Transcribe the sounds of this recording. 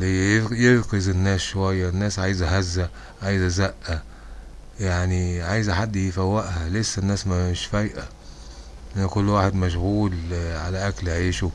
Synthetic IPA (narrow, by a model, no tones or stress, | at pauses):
jelkezɪnːæːsʃowæjːænːæːsʕaːjzæɦæzːæ | ʕajzæzæʔːæ | jaʕniʕajzħad̪ːjefæwːæʔhælesːænːæːsmæɪʃfæjʔæ | ʔænːækʊlːwaːħed̪mæʃ̬ɣuːlʕalæʔæklʕiːʃu